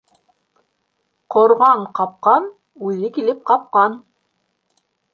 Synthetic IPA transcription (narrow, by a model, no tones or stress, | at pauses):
qŏɾʁɑɴqɑp̚qɑn | ʉðɘkilɘp̚qɑp̚qɑn